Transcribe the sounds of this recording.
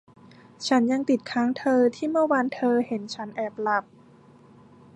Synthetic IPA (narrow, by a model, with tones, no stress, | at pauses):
t͡ɕʰa˦˥nja˧ŋt̪i˨˩t̪̚kʰaː˦˥ŋt̪ʰɤː˧t̪ʰiː˥˩mɯ˥˩ɐwaː˧nt̪ʰɤː˧he˩˦nt͡ɕʰa˦˥nʔɛː˨˩p̚la˧˩p̚